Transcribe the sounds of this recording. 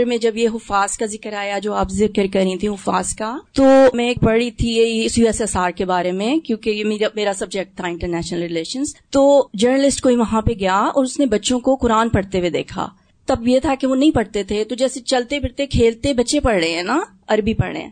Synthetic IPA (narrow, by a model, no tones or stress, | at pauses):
ɾmẽd͡ʒɐbjeɦʊfaːskazɪkəɾaːjad͡ʒoːaːpzɪkəɾkɐɾĩt̪ʰĩɦʊfa̰ːskat̪oːmɛ̃eːk̚pɐɽɽit̪ʰijeiɪsiɛsɐsaːɾkebaːɾemẽkjõːkejemeːɾameːɾasɐbd͡ʒɛk̚ʈ̚t̪ʰaɪ̃ɳʈəɾnɛːʃnəlɾɪleːʃə̃nzt̪oːd͡ʒəɾnəlɪsʈkoːiʋɐɦãpeɡɐjaɔ̰ːɾʊsnebɐtːʃõkoqʊɾaːnpɐɽt̪ewed̪ḛːkʰa̰ː | t̪ɐbjet̪ʰakeʋonɐɦĩpɐɽt̪et̪ʰet̪od͡ʒɛːset͡ʃɐlt̪epɪɾt̪ekʰeːlt̪ebɐːʃepɐɽɽeɦɛ̃ːna | ɐɾbʱipɐɽɽḛ̃